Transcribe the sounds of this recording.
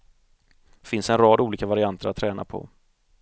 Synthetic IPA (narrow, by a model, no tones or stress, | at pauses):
fɪnsɛnɾɑːd̪uːliːkavaɾɪant̪ʰəɾat̪ʰːɾɛːna̰pʰɔ̰